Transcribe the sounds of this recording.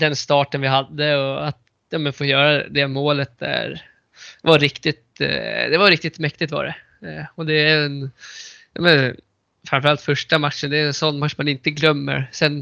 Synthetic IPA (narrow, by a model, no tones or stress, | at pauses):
d̪ɛnst̪ɑːʈənvɪɦad̪ːəɔat̪ | jɑːmənfoːjœːɾad̪ɛmoːlət̪̚d̪æ̰ɾ | vaɾɪkt̪ɪt̪d̪ɛvaɾɪk̚t̪ɪt̪mɛkt̪ɪɡt̪vɑ̰ɖɛ | ɔd̪ɛæɛnjɑ̰ːmɛn | fɾamfɾalt̪fœʂʈamat̪ʂənd̪ɛɛnsɔnːmat̪ːʂmanɪnt̪əɡlœmːə̰ɾsɛn